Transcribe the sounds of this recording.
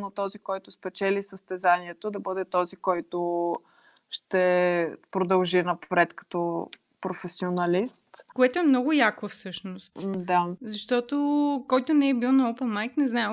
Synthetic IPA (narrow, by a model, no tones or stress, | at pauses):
nɐt̪ɔzikɔjt̪ʊspɛt͡ʃɛlisəst̪ɛzaniɛt̪od̪ɐbɤd̪ɛt̪ɔzikɔjt̪o | ʃt̪ɛpɾod̪ɐlˠʒinɐpɾɛt̪kɐ̥t̪ɔ | pɾofɛsionɐlist̪koɛt̪oɛmnɔɡʊjakəfsɤʃnost̪d̪azɐʃt̪ɔt̪okɔjt̪ʊnɛɛbilˠnɐopɛnmajk̪nɛznaɛm